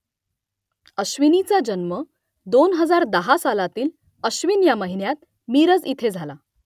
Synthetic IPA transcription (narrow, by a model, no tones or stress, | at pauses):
əɕʋinit͡sad͡ʑənmə | d̪onɦəd͡zaɾd̪əɦasalat̪iːl | əɕʋinjaməɦinjat̪̚ | miɾəd͡zit̪ʰed͡zʱala